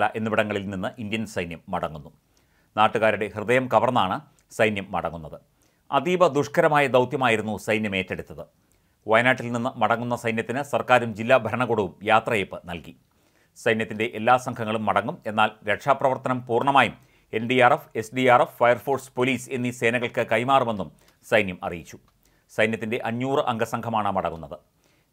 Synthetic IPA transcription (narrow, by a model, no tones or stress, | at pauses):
lɐʔe̞nːubiɽɐŋːɐɭilninːɨʔindjɐnsɐjnjɐmːɐɽɐŋːunːu | naːʈːuɣaːɾuɽe̞hrɨðɐjɐmkɐʋɐrnɐaːɳɨ | sɐjnjɐmːɐ̰ɽɐŋːunːɐðɨ | ɐ̰d̪iːbɐd̪uʂkɐɾɐmaːjɐd̪ɐwt̪jɐmaːjiɾunːusɐjnjɐme̞ːtːeɽut̪ːɐðɨ | ʋɐjnaːʈːilninːɨmɐɽɐŋːunːɐsɐjnjɐt̪ːinɨsɐrkaːɾumd͡ʑilːaːbʱɐɾɐɳɐɣoːɽɐʋumjaːt̪rɐjepːɨnɐlki | sɐjnjɐt̪ːinde̞ʔelːaːsɐŋɡʰʱɐŋːɐɭumːɐɽɐŋːume̞nːaːlɾe̞kʂaːprɐʋɐrt̪ɐnɐmpuːrɳɐmaːjum | e̞nɖiaːrefe̞sɖiaːrefːɐjɐrfo̞ːrspo̞liːse̞nːise̞ːnɐɣɐɭkɨkɐjmaːrume̞nːum | sɐjnjɐmʔɐ̰rijit͡ɕːu̥ | sɐjnjɐt̪ːinde̞ʔɐɲːjuːrɨʔɐŋɡʱɐsɐŋɡʱɐmaːɳɨmɐɽɐ̰ŋːunːɐðɨ